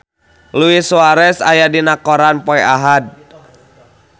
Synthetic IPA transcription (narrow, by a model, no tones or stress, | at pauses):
luisuaɾɛsa̰jadinakɔɾanpɔɛʔaɦad̚